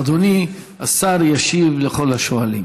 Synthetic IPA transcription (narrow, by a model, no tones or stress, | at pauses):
d̪oni | asaɾjaʃivleχo̞laʃoalḭm